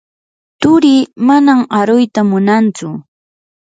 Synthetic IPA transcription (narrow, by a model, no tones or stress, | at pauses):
t̪ʊɾimanamaɾʊjt̪amʊnant͡sʊ